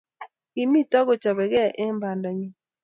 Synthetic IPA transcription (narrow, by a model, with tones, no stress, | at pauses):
i˨mi˦tɔ˦ɡo˨t͡ʃa˨bɛ˨ɡɛ˦˨ʔe˦mba˨nda˨ɲi˦